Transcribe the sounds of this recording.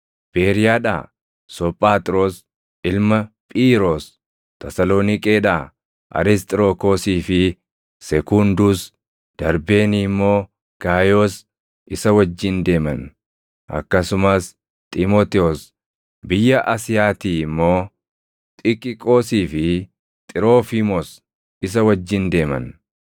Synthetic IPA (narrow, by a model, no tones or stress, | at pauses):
b̥eːɾɪjaːᶑa̰ː | sɔpʼːaːt̪ʼɾoːs | ʔɪlmɐpʼiːɾoːs | t̪ʰɐsɐloːnɪkʼeːᶑaː | ʔɐ̰ɾɪst̪ʼɾoːkoːsiːfɪ | sɛkʊnd̪uːs | d̪̥ɐɾbeːniːmːo̞ː | ɡ̥aːjoːs | ʔɪsɐwɐd͡ʒːɪnd̪e̞ːmɐ̰n | ʔɐ̰kːɐsʊmɐs | t̪ʼɪmoːt̪ɛos | bɪjːɐʔɐsɪjaːt̪iːɪmːo̞ː | t̪ʼɪkʼɪkʼo̞ːsiːfɪ | t̪ʼɪɾo̞ːfimɔs | ɪs̬ɐwɐd͡ʒːɪnd̪e̞ːmɐ̰n